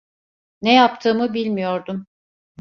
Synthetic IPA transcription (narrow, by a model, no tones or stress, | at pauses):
nejap̚t̪ʰɯːmɯbilʲmijo̞ɾd̪um